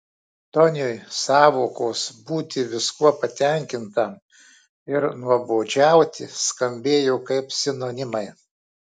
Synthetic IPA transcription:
t̪ɔnʲʊjsɑːʋoːkoːsbuːt̪ʲɪʋʲɪskuɔpɐt̪ʲɛŋʲkʲɪnt̪ɐm | ɪɾnuɔboːd͡ʒʲæˑʊt̪ʲɪskɐmʲbʲeːjoːkɐɪpsʲɪnoːnʲɪmɐɪ

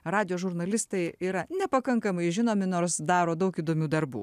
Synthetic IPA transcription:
ɾɑːd̪ʲɪjoːʒʊɾnɐlʲɪst̪ɐɪiːɾɐnʲɛpɐkɐŋkɐmɐɪʒʲɪnoːmʲɪnoːɾsd̪ɑːɾoːd̪ɐʊkiːd̪oːmʲuːd̪ɐɾbṵː

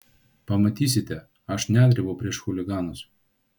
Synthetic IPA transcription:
pɐmɐt̪ʲiːsʲɪt̪ʲɛ | ɐʃnʲæːd̪ʲɾʲɪbɐʊpʲɾʲiɛʃxʊlʲɪɡɑːnʊs

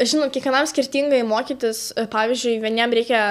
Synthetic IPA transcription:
ʒʲɪnoːt̪kʲɛkʋʲɛnɐmsʲkʲɪrʲt̪ʲiːŋɡɐɪmoːkʲiːt̪ʲɪspɑːʋʲizʲd͡ʒʲʊɪʋʲiɛnʲɛmɾʲɛɪkʲɛ

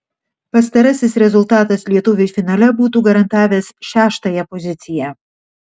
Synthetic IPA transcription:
pɐst̪ɐɾɐsʲɪsɾʲɛzʊlˠt̪ɑːt̪ɐslʲiɛt̪ʊʋʲɪɪfʲɪnɑːlʲɛbuːt̪uːɡɐɾɐnt̪ɑːʋʲɛːsʃʲæːʃt̪ɐjɛpɔzʲɪt̪sʲɪjæˑ

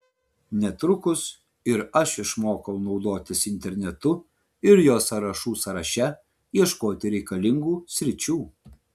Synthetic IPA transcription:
nʲɛt̪ɾʊkʊs | ɪɾɐʃɪʃmoːkɐʊnɒʊd̪oːt̪ʲɪsɪnʲt̪ʲɛɾʲnʲɛt̪ʊ | ɪɾjoːsɐɾɐʃuːsɐɾɐʃʲɛ | jiɛʃkoːt̪ʲɪɾʲɛɪkɐlʲɪŋɡuːsʲɾʲɪt͡ʃʲuː

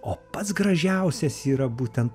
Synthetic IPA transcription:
oːpɐt̪sɡɾɐʒʲɛʊsʲɛsiːɾɐbuːt̪ʲɛnt̪

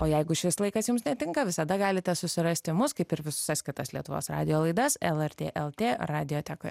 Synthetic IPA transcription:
oːjɛɪɡʊʃʲɪslˠɐɪkɐsjʊmsnʲɛt̪ʲɪŋkɐʋʲɪsɐd̪ɐɡɑːlʲɪt̪ʲɛsʊsʲɪɾɐsʲt̪ʲɪmʊskɐɪpɪɾʋʲɪsʊ̥sɐsʲkʲɪt̪ɐslʲiɛt̪ʊʋo̰ːsrɑ̰ːd̪ʲɪjoːlˠɐɪd̪ɐsɛlˠɛɾʲt̪ʲḛːʔɛlˠt̪ʲeːrɑːd̪ʲɪjoːt̪ʲæːkoːj

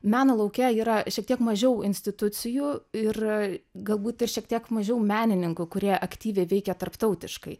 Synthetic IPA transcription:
mʲæːnoːlˠɐʊkʲɛiːɾɐʃʲiɛk̚t̪ʲiɛkmɐʒʲɛʊɪnʲsʲt̪ʲɪt̪ʊt̪t͡s̪ʲɪjuːɪrɡɐlˠbuːt̪ɪrʃʲiɛk̚t̪ʲiɛkmɐʒʲɛʊmʲæːnʲɪnʲɪŋkʊkʊɾʲiɛʔɐkt̪ʲiːʋʲɛɪʋʲɛɪkʲɛt̪ɐrpt̪ɒʊt̪ʲɪʃkɐɪ

